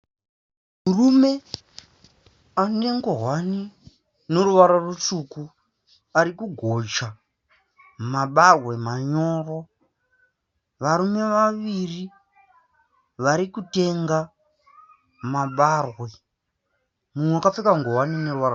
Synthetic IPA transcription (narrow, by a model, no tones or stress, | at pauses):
murume̞ | ane̞ŋɡo̞ɦwani | no̞ɾuʋaɾarut͡ʂuku | aɾikuɡʱo̞t͡ʃa | maɓarwe̞maɲo̞ːro̞ | ʋaɾume̞ʋaʋiri | ʋaɾikute̞ŋɡa | maɓarwe̞ | mumweakap͡fekaŋɡo̞ɦwanine̞ɾuʋaɾ